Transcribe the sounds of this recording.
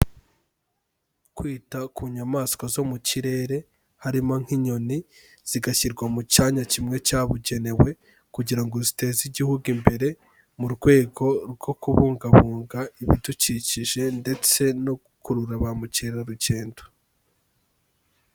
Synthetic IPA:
kwiːtakuɲamaːskozo̞muciɾe̞ɾe̞ | haɾimo̞ŋ̥hiɲo̞ni | z̥iɡaçiɾɡwamucaːɲacimŋe̞caːβuɟe̞ne̞we̞ | kuɟiɾaŋɡo̞zite̞ːziɟihuɡimbe̞ɾe̞ | muɾɡwe̞ːɡo̞ɾɡo̞kuβuːŋɡaβuːŋɡaiβiduciciʒe̞nde̞t͡se̞no̞ | kuɾuɾaβamuciɾeɾaɾuɟe̞ːndo

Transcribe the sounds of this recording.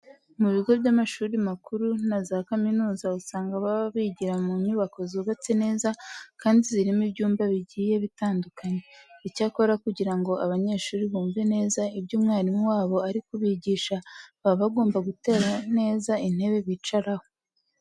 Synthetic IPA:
muβiɡo̞bɟamaʃuːɾimakuɾunazaːkaminuːzausaːŋɡaβaββiɟiɾamuɲuːβako̞zuβat͡se̞ne̞ːzakaːndiziɾimibɟuːmbaβiɟiːje̞βitaːndukaɲe̞icaːko̞ɾakuɟiɾaŋɡo̞ʔaβaɲe̞ːʃuːɾiβuːɱve̞ne̞ːzaibɟuːmŋaːɾimuwaːβo̞aɾikuβiɟiːʃaβaβaɡo̞ːmbaɡute̞ːɾane̞ːzain̥he̞βe̞βit͡ʃaɾaho̞

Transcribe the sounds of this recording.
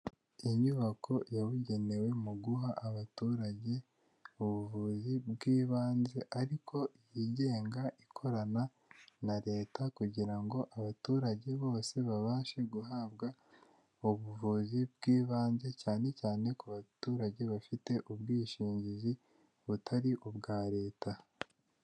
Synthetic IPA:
iɲuβakʰo̞jaβuɟe̞ne̞we̞muɡuɦaʔːβatuːɾaɟe̞ | uβuvuzibɡiːβaːnze̞ʔaɾikʰo̞jiɟe̞ːŋɡaʔikʰo̞ɾana | naɾe̞ːtakuɟiɾaŋɡo̞ʔaβatuːɾaɟe̞βo̞ːse̞βaβaːʃe̞ɡuɦaːbɡa | uβuvuzibɡiːβaːnze̞caːne̞caːne̞kuβatuːɾaɟe̞βafite̞ʔubɡiːʃiːɲɟizi | βutʰaɾiʔubɡaːɾe̞ːta

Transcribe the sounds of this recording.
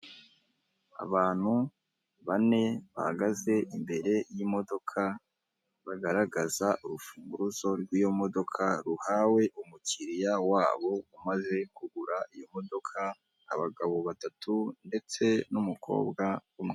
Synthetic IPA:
a̰βaːn̥hu | βane̞βa̰ha̰ɡaze̞ʔimbe̞ɾe̞jimo̞do̞kʰa | βaɡaɾaɡazaʔuɾufuːŋɡuɾuzo̞ɾɡwiːjo̞mo̞do̞kʰaɾuhawe̞ʔumuciɾijawaːβo̞umaze̞kuɡuɾaijo̞mo̞do̞kʰa̰ː | βaɡaβo̞βatatʰunde̞t͡se̞numukʰo̞̰ːbɡaumŋe

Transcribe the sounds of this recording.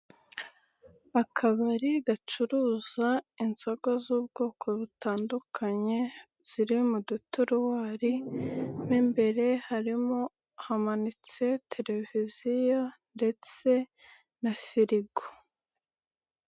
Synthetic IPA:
akʰaβaɾiɡat͡ʃuɾuzainzoɡozuːbɡoːkʰo̞βutaːndukʰaɲe̞ | z̥iɾimudutuɾuwaːɾin̥imbe̞ɾe̞haɾimo̞ | hamanit͡se̞tʰe̞ɾe̞vizijande̞t͡se̞ | nafiɾiɡo̥

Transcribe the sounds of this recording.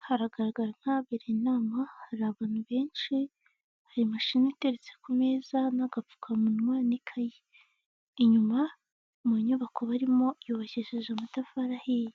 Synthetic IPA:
haɾaɡaɾaɡaɾan̥haːβeɾenaːmahaɾaβaːn̥uβe̞ːnʃi | haɾimaʃinite̞ɾet͡sekume̞ːzanaɡafu̥kʰamunmwaːnikʰajeː | ɲuma | maɲuβakʰoβaɾimo̞joβaçeʒeʒamatafaɾaheje

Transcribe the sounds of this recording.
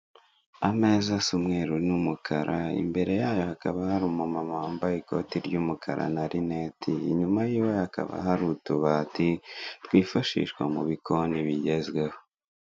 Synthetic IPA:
ame̞ːzasumŋeːɾunumukʰaɾaḭmbe̞ɾe̞jaːjo̞hakaβahaɾumamamahaːmbajiko̞̰tiɾɟuːmukʰa̰ɾa̰naɾineːtʰḭːɲumajiːweaka̰βa̰ɦaɾutuβaːtitwiːfaʃḭːʃkwamuβikʰoniβiɟe̞zɡweho

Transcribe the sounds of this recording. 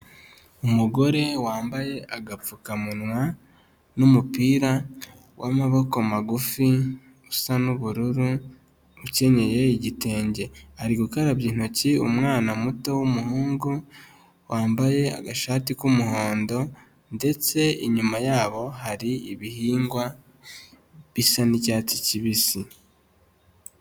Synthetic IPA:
umuɡo̞ɾe̞waːmbaje̞ʔaɡap͡fukamunwa | numupiːɾa | wʔamaβo̞kamaɡufi | usanuβuɾuɾu | uce̞ɲe̞je̞iɟite̞ːɲɟe̞aɾiɡukaɾaβjiːn̥o̞ciumŋaːnamuto̞wumuhuːŋɡu | waːmbaje̞a̰ɡaʃaːtikumuho̞ːndo̞ | nde̞t͡se̞iɲumajaːβo̞ɦaɾiiβihiːŋɡwa | βisanicaːti̥ciβisi

